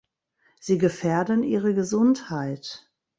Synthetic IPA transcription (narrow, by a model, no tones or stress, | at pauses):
z̥iːɡəfɛːɐdənʔiːʁəɡəzʊnthaɪt